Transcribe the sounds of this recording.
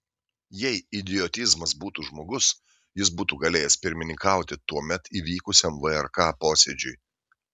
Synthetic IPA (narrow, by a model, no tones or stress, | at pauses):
jɛɪɪd̪ʲɪjɔt̪ʲɪzmɐsbuːt̪uʒmoːɡʊs | jɪs̬buːt̪uːɡɐlʲeːjɛspʲɪɾʲmʲɪnʲɪŋkɑˑʊt̪ʲɪt̪uɔmʲɛt̪iʋʲiːkʊsʲɛmʋɨɛɾkɑːpoːsʲɛd͡ʒʲʊj